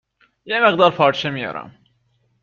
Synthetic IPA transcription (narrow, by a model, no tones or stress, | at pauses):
jemeɣd̪ɑːɾpʰɑːɾʃemijɒ̰ɾʔæ̰m